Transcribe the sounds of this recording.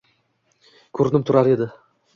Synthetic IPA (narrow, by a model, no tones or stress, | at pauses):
kʲʰɵɾɪnɪp̚t̪ʰʊɾaɾe̞d̪ɪ